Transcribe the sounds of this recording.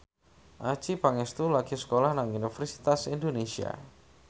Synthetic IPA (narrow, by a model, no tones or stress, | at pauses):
ʔat͡ʃipaŋɛst̪ulaɡ̥isə̥kolahnaŋunifɛrsi̥t̪asind̪onesia̰